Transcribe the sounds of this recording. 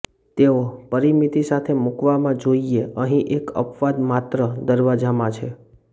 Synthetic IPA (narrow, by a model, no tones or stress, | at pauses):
t̪eopəɾimit̪isat̪ʰemukʋamãd͡ʒoieəɦĩʔekə̰pʋad̪mat̪ɾəd̪əɾʋad͡ʒamãt͡ʃʰe